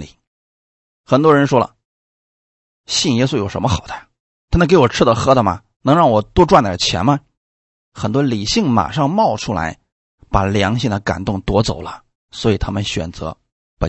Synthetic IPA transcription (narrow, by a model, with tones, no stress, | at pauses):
li˨˩˦ | xə˨˩nt̪wɔ˥ɻə˧˥nʂwɔ˥lə̰˨ | ɕi˥˩njɛ˥su˥jo˨˩ʊʂə˧˥nmə˧xɑ˨˩ʊt̪ʰa˥˩ | t̪ʰa˥mə˧˩ke˧˥ɪwɔ˨˩ʈ͡ʂʰɻ̩˥d̪ə˨xɤ˥d̪ə˨mɐ̰˩ | nɤ˧˥ŋɻɑ˥˩ŋwɔ˨˩t̪wɔ˥ʈ͡ʂwa˥˧nt̪ə˨˩t͡ɕʰjɛ̰˧˥nmə˧ | xə˨˩nt̪wɔ˥li˨˩ɕi˥˩ŋma̰˨˩ʂɑ˥˧ŋmɑ˥˩ʊʈ͡ʂʰu˥la̰˧˥ɪ | pa˨˩ljɑ˧˥ŋɕi˥˧ŋd̪ə˩ka̰˨˩nt̪ʊ˥˩ŋt̪wɔ˧˥t͡so˨˩ʊlə˦ | swɔ˧˥i˨˩t̪ʰa˥mə˨nɕɥɛ̰˨˩nt͡sɤ̰˧˥ | pə˧˩